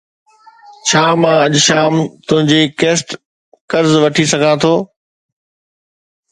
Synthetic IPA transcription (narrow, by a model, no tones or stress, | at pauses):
t͡ɕʰaːmãːɐʄʃaːmt̪ʊ̃ɦɪ̃ɲd͡ʑeːkeːsʈ | kɐɾzʋɐʈʰisɐɡʱãt̪ʰoː